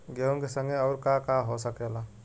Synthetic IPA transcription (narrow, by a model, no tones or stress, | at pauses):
ɡewŋkesəŋɡeəʊɾkakaɦosəkela